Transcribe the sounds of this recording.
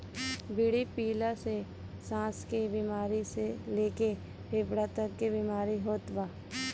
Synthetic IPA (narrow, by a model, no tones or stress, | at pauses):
bɪɽipiːlase | sãːskebimaːɾiseleːke | pʰeːpɽat̪əkkebimaːɾiɦoːt̪baː